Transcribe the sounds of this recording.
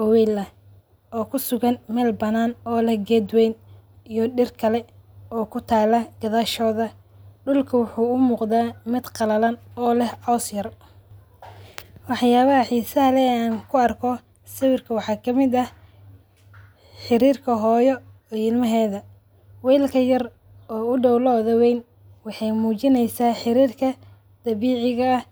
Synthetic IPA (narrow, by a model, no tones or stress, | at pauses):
ɔwɛːlɐ | ɔːkʰʊsʊɣɐnmɛːlbɐnaːnɔːlɛhɡɛːd̪wɛjnijɔɖɪrkʰɐlɛɔːkʰʊt̪ʰaːlɐɡ̥ɐðaːʃɔːðɐ | ɖʊlkʰɐwʊħuːʊmuːqd̪aːmɪd̪qɑlɐlɐnɔːlɛhʕɔsjɐr | wɑħjaːβɐɐħiːsɐɦɐlɛaːŋkʰʊɐrkʰɔ | sɐwɪrkʰɐwɑħɑːkʰɐmɪd̪ɐ | ħɪɾiːrkʰɐɦɔːjɔ | ɛɪlmɐɦɛːðɐ | wɛːlkʰɐjɐr | ɔːʊɖɔwlɔːðɐwɛjn | wɑħɑjmuːt͡ʃɪnɛjsaːħɪɾiːrkʰɐ | d̪̥ɐβiːʕɪɣɐː